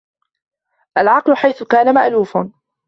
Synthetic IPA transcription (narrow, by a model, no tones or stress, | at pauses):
ʔalʕɑqlʊħajθʊkaːnamaʔluːfa